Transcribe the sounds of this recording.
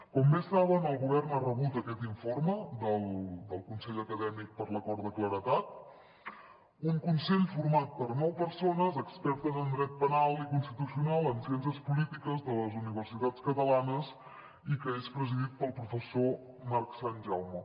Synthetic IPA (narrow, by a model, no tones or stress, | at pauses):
kɔmbesaβənəlˠɣuβɛrnarəβut̪əkɛt̪iɱforməd̪əlˠd̪əlˠkunsɛʎəkəðɛmik̚pəɾləkɔɾd̪əkləɾət̪at̪̚ | uŋkunseʎfurmat̪̚pəɾnɔwpəɾsonəzəkspɛɾt̪əzənd̪ɾɛt̪̚pənalˠikunst̪it̪usiunalˠənsiɛns̬əspulit̪ikəzðələzuniβ̞ərsit̪at͡skət̪əlanəs | ikəespɾəziðit̪̚pəlˠpɾufəso | maɾksanʲʒawmə